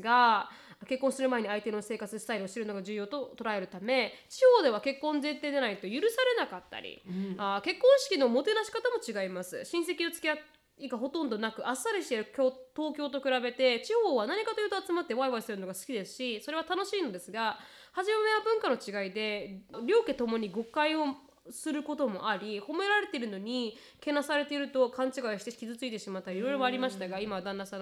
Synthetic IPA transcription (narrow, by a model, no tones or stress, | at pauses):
ɡa | ke̞kːõ̞ɰ̃sɨɾɯ̟mae̞ɲ̟iait̪e̞no̞se̞ːkat͡sɨsɨ̥t̪aiɾɯoɕi̥t̪eɾɯnoɡaʑɨːjo̞ːt̪o̞t̪o̞ɾae̞ɾɯ̟t̪ame̞t͡ɕiho̞ːd̪e̞β̞ake̞kːõ̞nd͡zẽ̞nt̪e̞ːd̪e̞nait̪o̞jɯ̟ɾɯ̟saɾe̞nakat̪ːa̰ɾʲḭake̞kːõɰ̃ɕi̥kʲino̞mo̞t̪e̞naɕi̥kat̪amo̞t͡ɕiɡaimasɨɕĩɰ̃s̬e̞kʲiot͡sɨ̥kʲea | iɡaɦo̞t̪õ̞nd̪o̞nakɯ̟ʔasːaɾɯɕit̪eɾɯkʲot̪o̞ːkʲo̞ːt̪o̞kɯ̟ɾabe̞t̪e̞t͡ɕiho̞ːβanaɲ̟ikat̪ojɯːt̪o̞at͡sɨmat̪ːe̞βaiβaisɨɾɯ̟no̞ɡasɨ̥kʲid̪e̞sɨ̥ɕiso̞ɾe̞β̞at̪ano̞ɕiːnod̪e̞sɨɡa | haʑimameβabɯ̟̃ŋkano̞t͡ɕiɡaid̪e̞ɾʲo̞ːket̪o̞mo̞ɲ̟iɡo̞kaio̞ | sɨɾɯ̟ko̞t̪o̞mo̞̰ʔaɾʲiho̞me̞ɾaɾe̞t̪e̞iɾɯ̟no̞ɲ̟i | ke̞nasaɾe̞t̪eiɾɯ̟t̪o̞kʰãɲt͡ɕiɡaiɕi̥t̪e̥kʲizɨt͡sɨit̪e̞ɕimat̪ːaɾiɾo̞jɾo̞moaɾʲimaɕi̥t̪aɡaimaβd̪ãnːasã